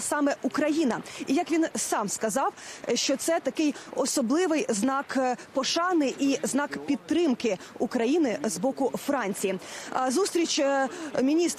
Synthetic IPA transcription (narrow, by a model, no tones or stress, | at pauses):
sɑmɛʔukɾɐjinɐijɐkʋʲinsɑmskɐzɑwʃt͡ʃɔt̪sɛt̪ɐkɪjɔsɔblˠɪʋɪjznɑkpɔʃɑnɪʔiznɑkpʲid̪̚t̪ːɾɪmkɪ | ukɾɐjinɪzbɔkʊfɾɑnʲt͡sʲijizust̪ɾʲit͡ʃʲmʲinʲist̪